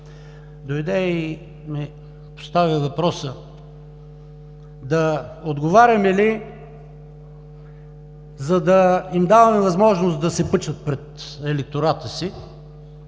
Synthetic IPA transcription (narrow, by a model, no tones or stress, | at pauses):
d̪ojd̪ɛi | mi | po̥st̪avʲivɐpɾɔsə | d̪ɐod̪ɡovaɾʲɐmɛli | zɐd̪ɐimd̪avɐmɛvɐzmɔʒnosd̪ɐsɛpɤt͡ʃət̪̚pɾɛt̪ɛlɛk̚t̪oɾat̪əsi